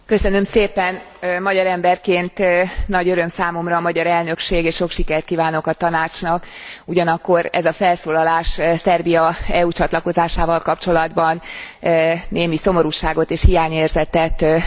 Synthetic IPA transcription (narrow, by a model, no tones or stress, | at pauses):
kø̞sø̞nø̞mseːpɛn | mɒɟɒɾɛmbɛrkeːnt̪nɒɟøɾø̞msaːmo̞mrɒːmɒɟɒɾɛlnø̞kʃeːɡeːʃʃo̞kʃikɛrt̪kiːvaːno̞kɒt̪ɒnaːt͡ʃnɒk | uɟɒnɒkːo̞ɾɛ̰zɒfɛlsoːlɒlaːʃsɛrbijɒɛuːt͡ʃɒt̪lɒko̞zaːʃaːvɒlkɒpt͡ʃo̞lɒd̪bɒn | neːmiso̞mo̞ɾuʃaːɡo̞t̪eːʃhijaːɲeːrzɛt̪ɛt̪